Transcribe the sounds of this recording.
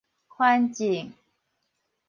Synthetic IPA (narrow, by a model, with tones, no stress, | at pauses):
xwa˥˦nt͡ɕi˨˩ŋ